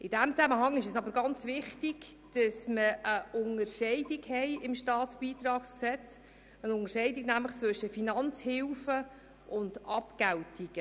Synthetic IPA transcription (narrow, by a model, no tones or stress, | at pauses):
ʔɪd̥æmt͡sæməhɑŋɪʃəsɑbəɾɡɑnt͡svɪχtiɡ | d̥ɑsməʔəʊnərʃɛɪdiɡhɛɪɪmʃtɑːtsb̥iːtrɑːksksɛt͡s | ənʊŋəɾʃɛɪdiɡnæmləχt͡sʋɵʃəfinɑnt͡shɪlfə | ʔʊndɑpkæwtiɡ̥ə